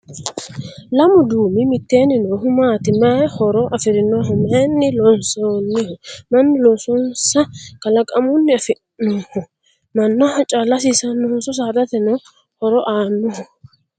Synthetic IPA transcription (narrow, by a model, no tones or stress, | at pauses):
lɐmʊd̪uːmɪmɪt̪ːeːnːɪnɔɦʊmaːt̪ɪmɐhɔɾɔʔɐfɪɾɪnɔɦɔmɐnːɪlɔnsoːnːɪhɔmɐnːɪlɔnsɔnsɐkɐlɐkʼɐmʊnːɪɐfɪ | nɔhɔ | mɐnːɔhɐt͡ʃʼalɐs̬isɐnːʊlɔnsɔs̬aːd̪ɐt̪ɛnɔ | hɔɾɔʔaːnːɔhɔ